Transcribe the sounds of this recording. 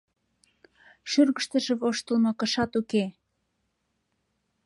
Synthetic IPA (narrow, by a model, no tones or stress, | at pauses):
ʃyrɣə̆ʃt̪ə̆ʒĕβoʃt̪ə̆lmokɤ̆ʃɑt̪uke